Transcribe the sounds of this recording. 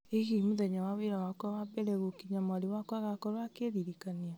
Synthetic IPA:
eɣimoðɛɲawaweɾawakɔwabɛɾɛɣokiɲamaɾewakɔaɣakɔɾoakeðiɾikania

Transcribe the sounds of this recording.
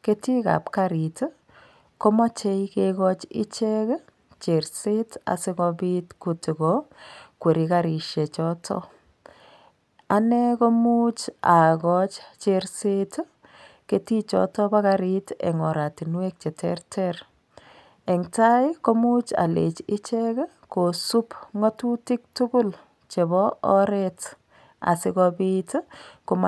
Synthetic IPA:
ketika̰p̚kaɾit | kɔmɔt͡ʃejkeɣɔt͡ʃḭt͡ʃɛk | t͡ʃeɾseta̰sikɔbitkutiɡɔkweɾikaɾiʃet͡ʃɔtʰɔ̰ | anɛkomut͡ʃaɡɔt͡ʃt͡ʃeɾset | ketit͡ʃɔ̰tɔbaɣaɾitɛ̰ŋɔɾatinwek̚t͡ʃɛtʰɛ̰rtʰɛr | ɛŋtajkomut͡ʃa̰lḛt͡ʃɪt͡ʃɛk | kosupŋɔtutik̚tukʊl | t͡ʃebɔɔɾet | a̰sɪkɔbitkom

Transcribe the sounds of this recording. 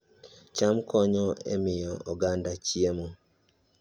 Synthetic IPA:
t͡ʃamkʰɔɲɔḛmɪjɔɔɡandat͡ʃiemo

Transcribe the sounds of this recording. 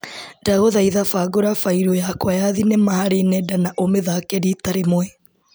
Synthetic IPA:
daɣoðaiðafaɡoɾafaiɾojakwajaðinemahaɾenɛdanaʔomeðakɛɾitaɾemwɛ

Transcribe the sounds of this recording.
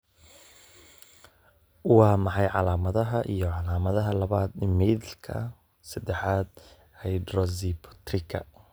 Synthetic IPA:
wɑːmɑħɑjʕɑlaːmɐðɐɦɐʔijɞʕɑlaːmɐðɐɦɐlɐβaːd̪ɪmɛðɪlkʰɐ̰ | sɐd̪ɛħaːd̪̚ | hɛjd̪rɔzipʰɔ̥t̪rɪkʰɐ̰

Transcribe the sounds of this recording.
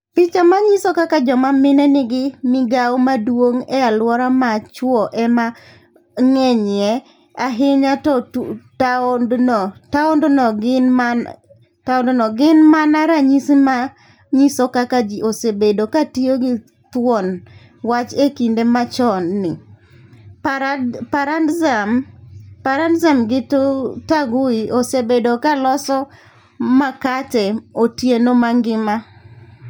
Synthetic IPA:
pit͡ʃamaɲisɔkakad͡ʒɔmamɪnɛnɪɡɪmɪɡawɔmadwoŋɛalwɔɾamat͡ʃwɔʔɛma | ŋɛɲɪɛ | aɦɪɲatɔtadnɔtaɔndɔnɔɡɪnman | taɔndɔnɔɡɪnmanaɾaɲisma | ɲisɔkakad͡ʒiosebedokatioɡɪ | t̪wɔn | wat͡ʃekindemat͡ʃɔnːɪ | paɾandzampaɾandzamɡɪttaɡʊiosebedokalɔsɔ | makatɛotjenomaŋɡɪma

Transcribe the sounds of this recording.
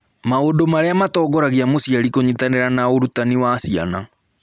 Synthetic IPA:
maodomaɾeamatɔːɡɔɾaɣiamosiaɾikoɲitaneɾanaoɾutaniwasia̰na

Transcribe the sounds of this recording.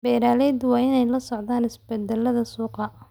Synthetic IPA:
bɛːɾaːlɛjd̪wɑːɪnɛjlɐsɔʕðaːnɪsbɛd̪ɛlɐðɐsuːqɑ

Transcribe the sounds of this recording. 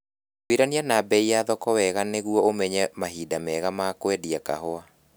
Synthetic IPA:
kwiɾanianabɛijaðɔkɔwɛɣaneɣuɔomɛɲɛmaɦidamɛɣamakwɛdiaka̰hoa

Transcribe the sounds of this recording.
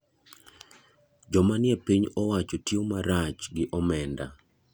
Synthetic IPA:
d͡ʒɔmanjɛpiɲɔwat͡ʃotjomaɾat͡ʃɡɪʔɔmɛnda̰

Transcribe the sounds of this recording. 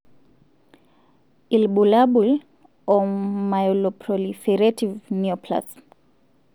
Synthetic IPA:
ilɓulaɓul | ɔmajɔlɔpʰɾɔlifɛɾativniɔpʰla̰s

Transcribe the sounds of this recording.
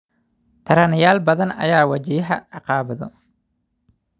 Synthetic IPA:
t̪ʰɐɾɐnɪjaːlbɐðɐnɐ̰jaːwɐd͡ʒɪjɐɦɐʕɑqɑːβɐðɔ̰

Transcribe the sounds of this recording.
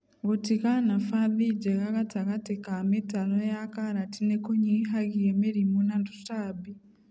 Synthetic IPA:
ɡotikanafaðid͡ʒekakatakatekametalojakaɾatinekoɲiɦaɡijemeɾimunandusabi

